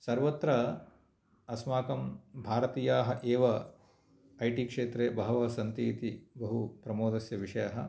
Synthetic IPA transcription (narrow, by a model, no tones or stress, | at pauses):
sɐɾʋɐt̪ɾɐ | ɐsmaːkɐmbʱaːɾɐt̪iːjaːɦɐʔeːʋɐ | ɐjʈikʂeːt̪ɾeːbɐɦɐʋɐsɐnt̪iːt̪ibɐɦupɾɐmoːd̪ɐsjɐʋiʂɐjɐɦɐ